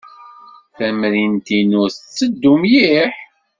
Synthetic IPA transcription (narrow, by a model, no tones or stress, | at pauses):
θæmɾint̪inʊθt͡sːəd̪ːumjiħ